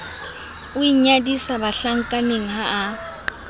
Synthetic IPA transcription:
ʊiɲadisabaɬaŋ̩kʼaneŋ̩ɦaː

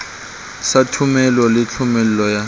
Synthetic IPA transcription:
satʰʊmɛlɔlɪt͡ɬʰʊmɛl̩lɔja

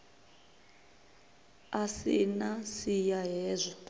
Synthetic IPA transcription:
asinasijaɦɛːzʷɔ

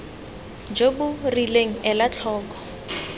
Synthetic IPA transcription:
d͡ʒobʊrileŋ̩ɛlat͡ɬʰɔːkɔ̥

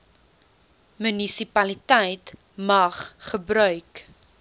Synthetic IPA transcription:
mʉnisipɐlitɛjt | mɐχχəbɾœɥk

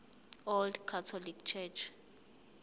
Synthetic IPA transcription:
ɔldkʰatʰɔlikt͡ʃʰɛt͡ʃʰ

